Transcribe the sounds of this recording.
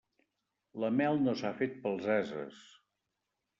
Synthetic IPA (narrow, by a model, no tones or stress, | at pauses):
ləmɛlˠnosafet̪̚pəlˠzɛzə̰s